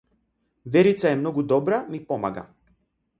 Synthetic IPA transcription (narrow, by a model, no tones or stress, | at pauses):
vɛɾit̪saɛmnɔɡud̪ɔbɾamipɔma̰ɡa̰